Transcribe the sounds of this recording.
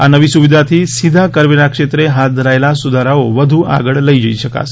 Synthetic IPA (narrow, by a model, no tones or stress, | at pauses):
anəʋisuʋid̪ʱat̪ʰisid̪ʱakəɾʋelakʂet̪ɾeɦat̪̚d̪ʱəɾaelasud̪ʱaɾaoʋəd̪ʱua̰ɡəɭləjd͡ʒəiʃəka̰s